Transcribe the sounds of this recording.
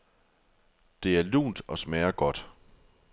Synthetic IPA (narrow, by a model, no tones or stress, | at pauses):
d̥e̝æɐlṵːnd̥ɒ̽smɛːɐɡ̥ɒ̽d̥